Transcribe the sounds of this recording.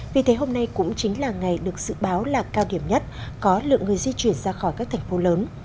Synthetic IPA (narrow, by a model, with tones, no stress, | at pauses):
vi˨˩t̪ʰe˨˦ɦo˧mna˧jkʊ̰˧˥ŋ͡mt͡ɕï˨˦ŋ̟laː˨˩ŋa˨˩jɗɨ˨˩ək̚z̥ɨ̰˧˨ɓaː˨˦wlaː˨˩kaː˧wɗi˧˩əmɲə˦˥t̚kɔ˨˦lɨ̰˧˨əŋɨ˨˩əjzi˧t͡ɕwi˧˩ənzaː˧xɔ˧˩jkaː˦˥k̚t̪ʰŋ̟fo˨˦ləː˨˦n